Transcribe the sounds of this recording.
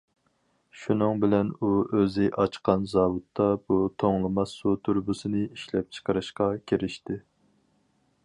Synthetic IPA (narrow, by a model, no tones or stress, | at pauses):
ʃunɨŋbɪlɛnuøzɪʔɑt͡ʃqɑnzɑːwut̪ʰːɑb̥ut̪ʰoŋlˠɨmɑsut̪ʰuɾbusɨnɨiʃlɛp̚t͡ʃʰə̥qʰəɾɨʃqɑkʲʰeɾɪʃt̪ɪ